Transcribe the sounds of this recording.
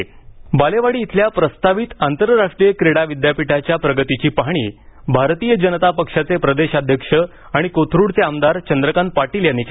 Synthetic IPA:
baleʋaɽiːt̪ʰljapɾəst̪aʋit̪ant̪əɾɾaʂʈɾijəkɾeɽaʋid̪japiʈʰat͡ɕjapɾəɡət̪it͡ɕiːpaɦɳ̃iːbʱaɾt̪iːjəd͡ʑənət̪apəkʂat͡sepɾəd̪eɕad̪ʱjəkʂə | aɽ̃ikot̪ʰɾuɽt͡seamd̪aɾt͡ɕənd̪ɾəkan̚paʈiljanit͡ɕ

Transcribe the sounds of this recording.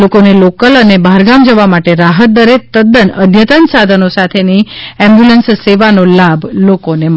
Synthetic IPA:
lokonelokələnebʱaɾɡamd͡ʒəʋamaʈeɾaɦət̪̚d̪əɾet̪əd̪ənəd̪ʱjət̪ənsad̪ʱənosat̪ʰeniɛ̃mbjulənsseʋanolabʱlokone

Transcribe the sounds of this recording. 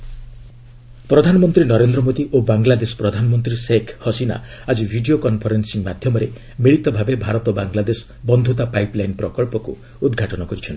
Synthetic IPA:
pɾɔd̪ʱanɔmɔnt̪ɾinɔɾend̪ɾɔmod̪iʔobaŋlad̪esɔ̥pɾɔd̪ʱanɔmɔnt̪ɾisekʰhɔsina̰ad͡ʒibʱiɖiokɔnpʰɔɾensiŋmad̪ʱjɔmɔɾe | miɭit̪ɔbʱabebʱaɾɔt̪ɔbaŋɡlad̪esɔ̥bɔnd̪ʱut̪apajplajnpɾɔkɔɭpɔkṵ | ud̪ɡʱaʈɔnɔkɔɾit͡ʃʰɔnt̪i̥

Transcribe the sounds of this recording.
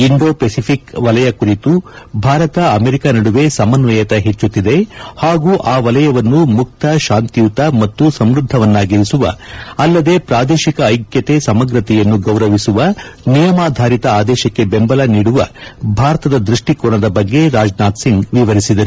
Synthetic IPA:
iɳɖo̞ːpesipʰikʋɐlɐjɐkuɾit̪u | bʱaːɾɐt̪ɐɐmeɾikanɐɽuʋe̞sɐmɐnʋɐjɐt̪ɐɦet͡ʃːut̪ːid̪e̞haːɡuːʔaːʋɐlɐjɐʋɐnːumuk̚t̪ɐʃaːnt̪ijut̪ɐmɐt̪ːusɐmɾud̪ʱːɐʋɐnːaːɡiɾisuʋɐ̰ɐlːɐd̪e̞pɾaːd̪eːʃikɐːjkjɐt̪e̞sɐmɐɡɾɐt̪ɛjɐnːuɡɐwɾɐʋisuʋɐnijɐmaːd̪ʱaːɾit̪ɐaːd̪ɛːʃɐkːe̞be̞mbɐlɐniːɽuʋɐbʱaːɾɐt̪ɐd̪ɐd̪ɾuʂʈikoːɳɐd̪ɐbɐɡːe̞ɾaːd͡ʒnaːt̪siŋɡʋiʋɐɾisid̪ɐɾu

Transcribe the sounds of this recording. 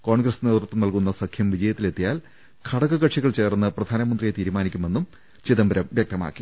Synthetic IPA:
ko̞ːɳɡrɐsne̞ːt̪rut̪ːumnɐlkunːɐsɐkʰjɐmʋid͡ʑɐjɐt̪ːile̞t̪ːijaːl | kʰɐɽɐɣɐɣɐʈʂiɣɐɭt͡ɕe̞ːrnːɨprɐd̪ʱaːnɐmɐnd̪rijet̪iːɾumaːnikʲːume̞nːum | t͡ɕiðɐmbɐɾɐmʋjɐk̚t̪ɐma̰ːkːi

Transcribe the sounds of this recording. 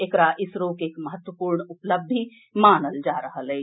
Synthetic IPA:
eːkɾaʔɪsɾoːkeːkmɐɦət̪wəpuːɾɳʊpləbʱi | maːnəld͡ʒaːɾɐɦəleː

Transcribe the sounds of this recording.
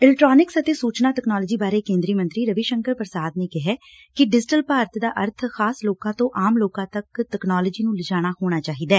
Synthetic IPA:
ɪlɛʈɾaːnɪksət̪eːsuːt͡ʃnaːʈɛknaːlːd͡ʒiːbaːɾeːkẽːnd̪ɾiːmə̃nt̪ɾiːɾəʋiʃəŋkəɾpəɾsaːd̪neːkɪɦɛː | kɪɖɪd͡ʒɪʈəlpaːɾət̪ʰd̪aːʔəɾt̪ʰxaːsloːkãːt̪õːʔaːmloːkãːt̪əkʈɛknaːləd͡ʒiːnũːlɪd͡ʒaːɽ̃aːhoːɽ̃aːt͡ʃaːɦiːd̪aɛː

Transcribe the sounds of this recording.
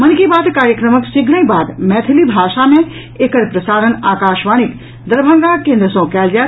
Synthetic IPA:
mɐnkibaːd̪kaːɾjəkɾəməksɪɡɽə̃ĩbaːd̪mɛːt̪ʰilibʱaːʃamẽ | ekəɽpɾɐsaːɾənaːkaːʃʋaːñik | d̪əɾbʱə̃ŋɡakẽːnd̪ɾəsõːkjaːld͡ʒaː

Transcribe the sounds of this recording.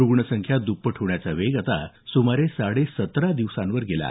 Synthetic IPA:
ɾuɡɳəsəŋkʰjad̪upːəʈʰuʋɳjat͡saʋeɡat̪a̰ | sumaɾesaɽesət̪ɾad̪iʋsãnʋəɾɡela̰

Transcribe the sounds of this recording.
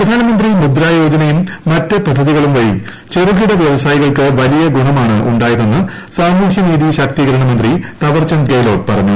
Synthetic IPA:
prɐd̪ʱaːnɐmɐnd̪rimud̪ɾaːjo̞ːd͡ʑɐnɐjumːɐtːɨpɐd̪ʱːɐðiɣɐɭumʋɐjḭm | t͡ɕe̞ɾuɣiɽɐʋjeʋɐsaːjiɣɐɭkɨʋɐlijɐɡuɳɐmaːɳɨʔuɳɖaːjɐðenːɨ | saːmuːhjɐniːðiɕɐk̚t̪iɣɐɾɐɳɐmɐnd̪rit̪ɐʋɐrt͡ɕɐnkeːlo̞ːɖ̚pɐrɐɲːu

